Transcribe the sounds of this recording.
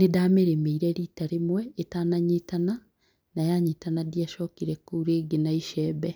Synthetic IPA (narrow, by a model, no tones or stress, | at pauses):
nedaːmeɾemeiɾɛɾitaɾemwɛetaːnaɲetana | najaɲeːtanadiaʃɔkiɾɛkuuɾeːɡenaiʃɛːbɛ